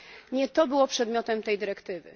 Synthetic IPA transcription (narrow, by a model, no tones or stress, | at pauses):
ɲɛt̪ɔbɘwɔpʂɛd̪mʲjɔt̪ɛmt̪ɛjd̪ɘɾɛkt̪ɘvɘ̰